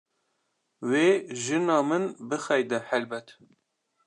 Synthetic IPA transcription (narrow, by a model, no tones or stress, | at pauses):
weːʒɨnɑːmɨnbɨxɛjd̪ɛhɛlbɛt̪